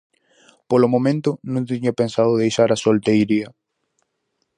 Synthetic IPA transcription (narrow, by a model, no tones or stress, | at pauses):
polomõmẽnt̪ʊnũnt̪iɲapensaðʊðejʃaɾasolt̪ejɾiɐ